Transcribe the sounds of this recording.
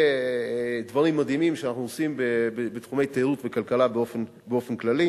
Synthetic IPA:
d̪vaʁimːad̪ɦimimʃeanaχnuosimbeebet̪χume̞jt̪eʁutvekalkalabeofen | beo̞fenklali

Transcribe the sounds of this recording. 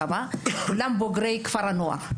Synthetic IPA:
amalamboɡɾeiki̥faɾanoa̰

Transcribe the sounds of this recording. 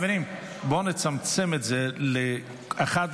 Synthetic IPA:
vɛɾim | bɔnɪt͡samt͡sɪmɛtzɛlɪ | aχat

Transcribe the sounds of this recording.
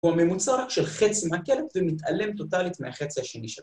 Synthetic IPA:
uame̞mut͡saʃelχet͡simakelet̪vemit̪ʔale̞mt̪o̞t̪alit̪mḛhaχet͡sihaʃeniʃel

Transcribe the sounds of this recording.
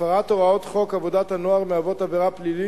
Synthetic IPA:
aʁat̪oʁaot̪χo̞kavod̪at̪hanoaʁmeavot̪abeʁaplili

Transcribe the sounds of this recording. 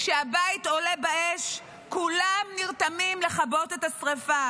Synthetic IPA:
kʃeabaito̞le̞baʔeʃ | kulamniʁt̪amimle̞χabo̞t̪etasʁefa

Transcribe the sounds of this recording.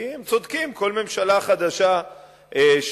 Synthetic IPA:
imt͡so̞d̪kimko̞lme̞mʃalaχad̪aʃa | ʔeʃ

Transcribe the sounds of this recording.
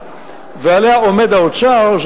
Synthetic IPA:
vealeaomed̪aot͡ʃaʁʃ

